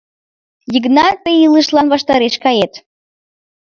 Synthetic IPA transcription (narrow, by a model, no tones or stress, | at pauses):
jiɡnɑt̪eilˠɨʃlˠɑnvɑʃt̪ɑɾeʃkɑjet̪